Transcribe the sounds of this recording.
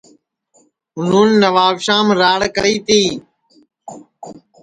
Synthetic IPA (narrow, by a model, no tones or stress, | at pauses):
ɦʊnuːnːəʋaːʋʃaːmɾaːɽkəɾiːt̪iː